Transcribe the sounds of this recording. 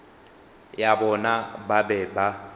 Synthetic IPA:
jabɔnababɛba

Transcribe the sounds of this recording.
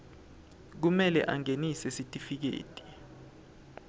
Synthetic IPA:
k̬umɛlɛʔaŋenisɛsitʼifik̬ḛːtʼi̥

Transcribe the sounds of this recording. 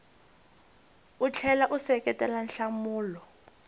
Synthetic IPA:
ut͡ɬʰɛlaʔusɛkʼɛtʼɛlan̩ɬamuːlɔ

